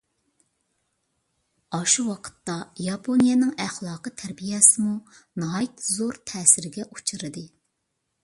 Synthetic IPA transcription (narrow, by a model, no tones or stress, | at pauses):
ɑʃuwɑqʰə̥t̪ːɑjɑpʰonijɛnɪŋæχlˠɑːqət̪ʰæɾbijɛsɪmunɑːjit̪zoɾt̪ʰɛːsɪɾɪɡʲɛʔut͡ʃʰɨɾɨd̪ɨ